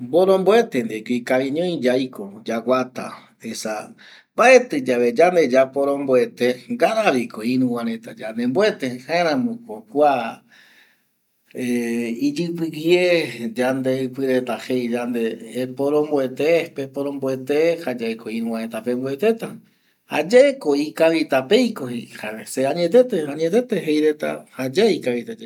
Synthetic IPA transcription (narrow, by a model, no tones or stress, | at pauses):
mboɾõmboet̪end̪ekoikaβĩɲõj̃d͡ʒajkod͡ʒawʷat̪a̰ | esa̰ | bae̞t̪ɨd͡ʒaβed͡ʒand̪e̞d͡ʒapoɾõmboe̞t̪eɡaɾaβikoiɾũwãɾẽt̪ad͡ʒand̪embwet̪ehaeɾ̃ãmõkokʷa | eid͡ʒɨpɨɡjed͡ʒand̪e̞ɨpɨɾe̞t̪ahejd͡ʒand̪epoɾõmboe̞t̪epepoɾõmboet̪ehad͡ʒaekoĩɾũwãɾẽt̪ape̞mboe̞t̪e̞t̪a | ha̰d͡ʒeekoikaβit̪ape̞jkohehaseaɲet̪et̪eaɲet̪e̞t̪eɦejɾet̪a̰had͡ʒaikaβit̪ad͡ʒ